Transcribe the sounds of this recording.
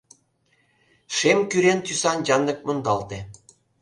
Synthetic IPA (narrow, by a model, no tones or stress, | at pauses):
ʃemkyɾent̪ysɑnjɑnːɤ̆k̚mɤ̆nd̪ɑlt̪e